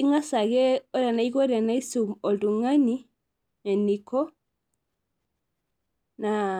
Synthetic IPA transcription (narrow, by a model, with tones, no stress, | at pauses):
i˦ŋa˦sa˨ɣɛ˦ɔ˦ɾa˨na˨i˦ɡɔ˦ɾa˨na˦i˦su˨mɔ˨ldu˨ŋa˦ni˦ | nɛ˨ni˨kɔ˦ | na˨